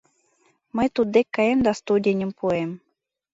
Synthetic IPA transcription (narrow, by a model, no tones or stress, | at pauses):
məjt̪ud̪ːekʲːɑemd̪ɑst̪ud̪ʲenʲə̆mpuem